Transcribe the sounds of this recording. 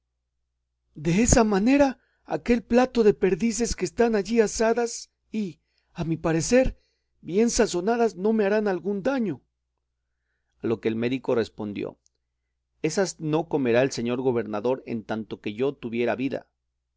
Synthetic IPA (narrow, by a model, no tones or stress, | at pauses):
d̪e̞e̞samane̞ɾa̰ː | ke̞lplat̪o̞ðe̞pe̞ɾðis̬e̞skeːst̪anaʝiasaðas | i | amipaɾe̞se̞ɾ | bje̞nsaso̞naðazno̞me̞aɾanalɣund̪aɲo̞ | alo̞ke̞ːlme̞ðiko̞re̞spo̞nd̪jo̰ | e̞sazno̞ko̞me̞ɾaelse̞ɲo̞ɾɣo̞βe̞ɾnaðo̞ɾe̞̰nt̪ant̪o̞ke̞ʝo̞t̪uβje̞ɾaβiða̰